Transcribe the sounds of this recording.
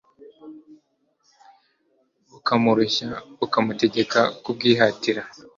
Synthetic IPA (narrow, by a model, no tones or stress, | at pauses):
ukamuɾuçaukamute̞ɟe̞kakub̚ɡiːɦatiɾa